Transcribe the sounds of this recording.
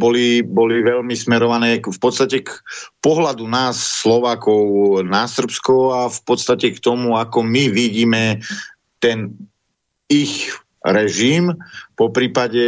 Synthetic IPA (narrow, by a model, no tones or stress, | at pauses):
bɔlibɔliʋɛʎmismɛɾɔʋanɛːkfpɔt̪st̪acɛkpɔɦlad̪unaːsːlɔʋaːkɔʊnasr̩pskɔafpɔt̪st̪acɛkt̪ɔmuakɔmiʋiɟiːmɛ | t̪ɛn | ix | ɾɛʒiːmpɔpɾiːpaɟɛ